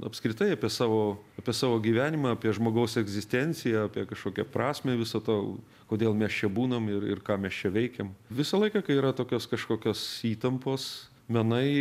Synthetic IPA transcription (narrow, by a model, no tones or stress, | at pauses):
ɐ̰pskɾʲɪt̪ɐɪɐpʲiɛsɑːʋoːɐpʲiɛsɑːʋoːɡʲiːʋʲæːnʲɪmɑɐpʲiɛʒmoːɡɐʊsɛɡzʲɪsʲt̪ʲɛnʲt͡ssʲɪjɛɐpʲiɛkɐʃkoːkʲɛpɾɑːsʲmʲeːʋʲɪsɐt̪oː | koːd̪ʲeːlˠmʲɛst͡ʃʲɛbuːnɐmɪrɪ̰rkɑːmʲɛst͡ʃʲɛʋʲɛɪkʲɛmʋʲɪsɐlˠɐɪkɐkɐɪiːɾɐt̪oːkʲoːskɐʃkoːkʲoːsiːt̪ɐmpoːs | mʲɛnɐɪ